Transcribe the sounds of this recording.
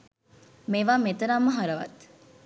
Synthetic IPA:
meʋaːmet̪ɐɾamːəɦɐɾɐʋɐ̰t̪

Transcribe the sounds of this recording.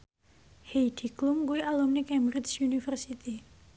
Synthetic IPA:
hejd̥i̤klumkuialumnikɛmbɾɪt͡ʃunifərsit̪i

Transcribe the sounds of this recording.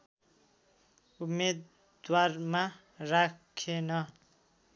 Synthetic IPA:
umed̪ | warma | rakʰenʌ

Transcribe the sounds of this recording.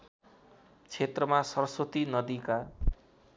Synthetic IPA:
t͡sʰet̪rʌmasʌrʌsot̪inʌd̪ika

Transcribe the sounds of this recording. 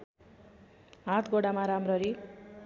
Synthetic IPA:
ɦat̪ʰɡoɽamaɾamrʌɾi

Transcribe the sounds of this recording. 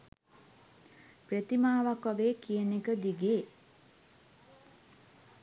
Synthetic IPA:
pret̪imaːʋakʋaɡeːkiənekəd̪iɡeː

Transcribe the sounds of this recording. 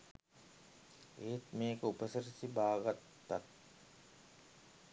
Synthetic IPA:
eːt̪meːkəupəsɐɾsibaːɡɐt̪ːat̪̚

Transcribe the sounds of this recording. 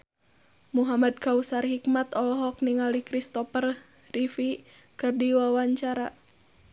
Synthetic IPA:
muɦamad̪̚kausarhikmat̪ɔlɔɦɔk̚niŋalikɾist̪ɔpər | rifi | kɨrdiwawaɲt͡ʃaɾa

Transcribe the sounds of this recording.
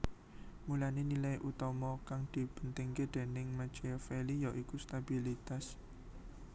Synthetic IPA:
mulanenilajʔut̪ɔmɔkaŋd̪̥i̤b̥ə̥nt̪ɪŋked̪̥e̤nɪŋmat͡ʃifelijɔʔikust̪abilit̪as

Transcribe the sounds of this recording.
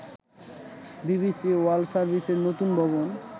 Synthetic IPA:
bibisiwalsaɾbʱiseɾnot̪unbʱɔβon

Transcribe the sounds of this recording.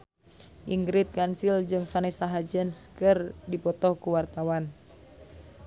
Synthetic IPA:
ʔiŋɡɾit̪̚kansild͡ʒɨŋfanɛsaɦad͡ʒənskɨrdipɔt̪ɔhkuwart̪awan

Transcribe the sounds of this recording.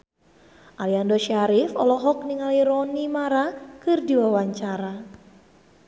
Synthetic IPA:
ʔaliandɔʃaɾɪfɔ̰lɔɦɔk̚niŋaliɾɔnimaɾakɨrdiwawaɲt͡ʃaɾa

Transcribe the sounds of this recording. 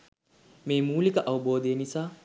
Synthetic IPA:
mejmuːlikɐʔɐwboːd̪enisa

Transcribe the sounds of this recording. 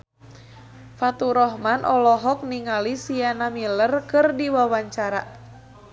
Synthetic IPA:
fat̪uɾɔɦmanʔɔlɔɦɔk̚niŋalisianamilərkɨrdiwawaɲt͡ʃaɾa

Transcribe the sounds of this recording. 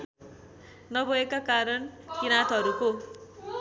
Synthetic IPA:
nʌbʱʌekakaɾʌnkinat̪ʌɾuko

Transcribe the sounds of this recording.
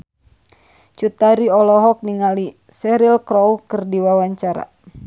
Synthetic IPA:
t͡ʃut̪aɾiɔlɔɦɔk̚niŋali | sɛɾilkɾɔwkɨrdiwawaɲt͡ʃaɾa̰

